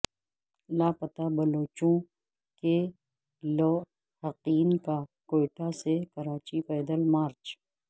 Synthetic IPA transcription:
laːpət̪abɐloːt͡ʃõ | ke | lɔː | hɐqiːnkakoːɪʈasekɐɾaːt͡ʃipɛːd̪əlmaːɾt͡ʃ

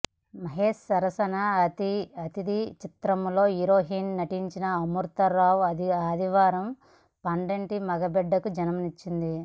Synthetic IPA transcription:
mɐɦeːʂsɐɾɐsɐnɐt̪iɐt̪id̪it͡ʃit̪ɾɐmlo̞ːiɾoːɦiːnnɐʈiɲt͡ʃinɐɐmuɾt̪ɐɾaːwɐaːd̪ʱiʋaːɾɐm | pɐɳɖeɳʈimɐɡɐbɛɖːɐkud͡ʒɐnɐmnit͡ʃːind̪i

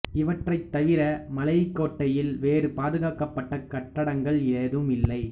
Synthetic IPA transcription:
ɪʋɐʈrɐɪt̪ːɐʋɪɾɐmɐlɐjɪkːoːʈːɐjɪlʋeːrɯpaːðɯɣaːkɐpːɐʈːɐkɐʈːɐɽɐŋɡɐɭɪɻɐðɯmɪlːɐɪ

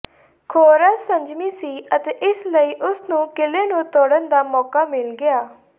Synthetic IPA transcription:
kʰoːɾaːsə̃ɲd͡ʒmiːsiːət̪eːʔɪsləiːʔʊsnũːkɪleːnũːt̪oːɽənd̪aːmɔːkaːmɪlɡɪaː

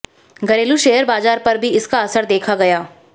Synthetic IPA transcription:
ɡɐɾeːluʃeɦəɾbaːzaːɾpɐɾbʱiɪskaɐsəɾd̪eːkʰaɡɐjaː

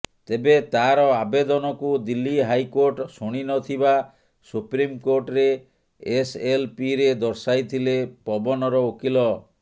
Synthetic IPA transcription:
t̪ebet̪aɾɔabed̪ɔnɔkud̪ilːiɦajkoɾʈsuɽ̃inɔt̪ʰiba | supɾimkoɾʈɔɾeː | selpiɾed̪ɔɾsajt̪ʰilepɔbɔnɔɾɔokilɔ

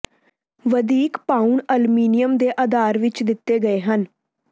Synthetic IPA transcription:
ʋəd̪iːkpaːuɳəlmiːnɪjəmd̪eːʔəd̪aːɾʋɪt͡ʃd̪ɪt̪ːeːɡəeːɦən

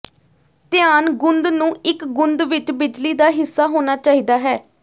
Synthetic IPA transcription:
t̪ɪaːnɡʊnd̪nũːɪkɡʊnd̪ʋɪt͡ʃbɪd͡ʒliːd̪aːɦɪsːaːɦoːnaːt͡ʃaːiːd̪aːɦɛː

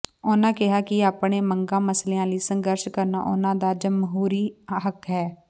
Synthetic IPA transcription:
ʊnãːkɪɦaːkɪaːpɳeːməŋɡãːməsleːãːləiːsəŋɡəɾʃkəɾna̰ːʔʊ̰nãːd̪aːd͡ʒəmɦuːɾiːɦəkɦɛː

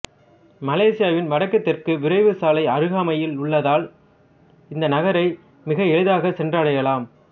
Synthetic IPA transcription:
mɐleːsɪjaːʋɪnʋɐɽɐkːɐt̪ːɪrkɯʋɪɾɐɪʋɯsaːlɐɪɐɾɯɣaːmɐjɪlʊɭːɐðaːl | ɪnd̪ɐnɐɣɐɾɐɪ | mɪɣɐɛɻɯðaːɣɐsɛndrɐɽɐjɐlaːm

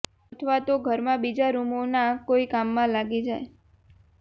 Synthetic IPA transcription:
ət̪ʰʋat̪oɡʱəɾmãbid͡ʒaɾumonakoikamːãlaɡid͡ʒae

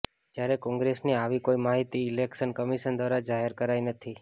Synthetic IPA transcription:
d͡ʒjaɾekɔ̃ŋɡɾesniaʋikoimaɦit̪iːlekʃənkəmiʃənd̪ʋaɾad͡ʒaɦeɾkəɾajnət̪ʰi

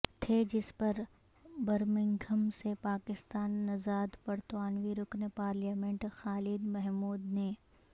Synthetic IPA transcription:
t̪ʰed͡ʒɪspɐɾ | bɐɾmɪ̃ŋɡʱəmsepaːkɪst̪aːnːɐzaːd̪pɐɾt̪aːnʋiɾʊknepaːɾliaːmẽɳʈxaːlɪd̪mɛɦmuːd̪ne

